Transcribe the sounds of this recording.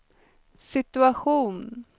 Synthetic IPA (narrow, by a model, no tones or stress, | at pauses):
sɪt̪ɵaɧuːn